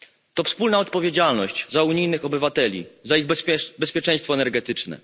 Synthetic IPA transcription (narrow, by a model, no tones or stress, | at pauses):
t̪ɔfspulnaɔt̪̚pɔvʲjed͡ʑalnɔɕt͡ɕzauɲijnɘxɔbɘvat̪ɛlʲḭzaiɣbɛspʲjɛt͡ʂɛj̃st̪fɔɛnɛɾɡɛt̪ɘt͡ʂnɛ̰